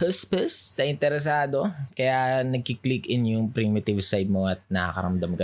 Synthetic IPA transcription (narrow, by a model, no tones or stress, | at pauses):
pəspəsnɐʔɪnt̪ɛɾɛs̬aːd̪o̞kɐjanɐɡ̚kiklikɪnjʊŋpɾimɪt̪ɪvsajd̪̚moʔɐt̪̚nɐkɐ̰kɐ̰ɾɐmd̪ɐmkɐ